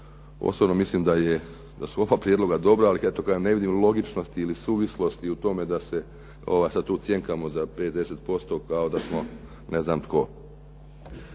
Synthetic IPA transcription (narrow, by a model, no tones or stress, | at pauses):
o̰sobno̞mislimd̪aje | d̪asuo̞ʋaːpɾjed̪lo̞ɡad̪o̞bɾaːlie̞t̪o̞kad̪ane̞ʋid̪imlˠo̞ɡit͡ʃno̞st̪iːlisuːʋislˠo̞st̪iut̪o̞me̞d̪ase̞ | o̞̰ʋaːjsad̪̚t̪uːt̪sje̞ŋkamo̞zape̞t̪d̪e̞se̞t̪̚po̞st̪o̞kao̞d̪asmo̞ | ne̞znaːmt̪ko̞